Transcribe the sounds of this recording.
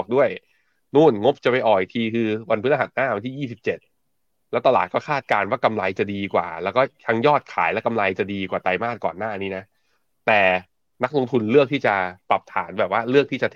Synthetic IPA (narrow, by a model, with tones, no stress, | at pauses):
k̚du˥˩əj | nuː˥˩nŋo˦˥p̚t͡ɕa˨˩pa˧jʔɔː˨˩i˨˩t̪ʰiː˧kʰɯː˧wa˧npʰɯː˦˥nʔa˧ɦa˨˩t̪̚naː˥˩wa˧nt̪ʰiː˥˩jiː˥˩si˨˩p̚t͡ɕe˨˩t̪̚ | lɛː˦˥t̪a˧laː˨˩t̪̚kɔː˥˩kʰaː˥˩t̪̚kaː˧nwaː˥˩ka˧mla˧jt͡ɕa˨˩diː˧kwa̰ː˨˩lɛː˦˥wkɔː˥˩t̪ʰa˦˧˥ŋjɔː˥˩t̪̚kʰaː˩˦jlɛː˦˥ka˧mla˧jt͡ɕa˨˩diː˧kwaː˨˩t̪a˧jmaː˥˩t̪̚kɔ̰ː˨˩nːaː˥˩niː˦˥na˦˥ | t̪ɛː˨˩ | na˦˥k̚lo˧ŋt̪ʰu˧nlɯ˥˩ək̪̚ʰiː˥˩t͡ɕa˨˩pla˨˩p̚t̪ʰa̰ː˩˦nbɛː˨˩p̚waː˥˩lɯ˥˩ək̚t̪ʰiː˥˩t͡ɕa˨t̪ʰ